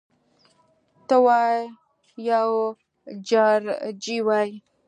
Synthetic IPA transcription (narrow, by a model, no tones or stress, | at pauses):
t̪əwaj | jaw | d͡ʒaɾd͡ʒiwaj